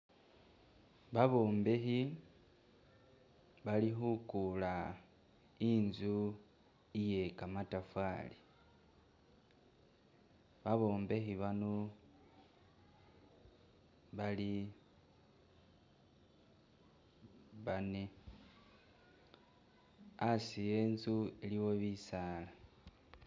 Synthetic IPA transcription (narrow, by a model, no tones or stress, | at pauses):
βaβo̞ːmbe̞xi | βalixukula | inzu | ijekamatafali | βaβo̞ːmbe̞xiβano | βali | βane | asijeːnzueliwo̞βisala